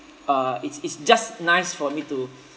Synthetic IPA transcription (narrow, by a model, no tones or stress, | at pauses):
aitsitsd͡ʒasnajsfɔmitu